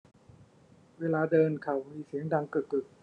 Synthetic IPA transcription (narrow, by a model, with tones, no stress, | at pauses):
weː˧laː˧dɤː˧nkʰa˨˩wmiː˧si˨˩˦əŋdaː˧ŋkɯ˨˩t̚ɯ˨˩k̚